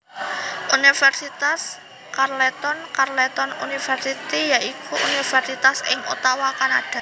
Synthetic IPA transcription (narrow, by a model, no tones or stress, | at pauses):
ʔunifɛrsit̪as | karlɛt̪ɔnkarlɛt̪ɔnṵnifɛrsit̪ijaʔikuʔṵnifɛrsit̪asɪ̰ŋṵt̪awakanad̥a̤